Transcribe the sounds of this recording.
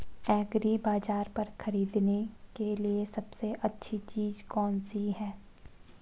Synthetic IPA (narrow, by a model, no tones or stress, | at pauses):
ɛːɡɾibaːd͡ʒaːɾpɐɾxɐɾiːd̪nekeliesɐbseʔɐtːʃʰit͡ʃiːzkɔːnsiɦɛː